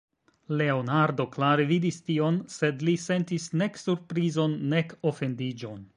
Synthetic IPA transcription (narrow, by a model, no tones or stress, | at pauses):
le̞o̞naɾdo̞klaɾevidistio̞nse̞dlise̞ntisne̞ksuɾpɾizo̞nːe̞ko̞fe̞ndid͡ʒo̞n